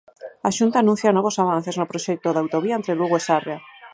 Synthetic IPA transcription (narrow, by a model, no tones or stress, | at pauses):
aʃunt̪aːnũn̟θjanɔβ̞osaβ̞an̟θeznopɾoʃɛk̚t̪oðawt̪oβ̞iaent̪ɾeluɣoesarea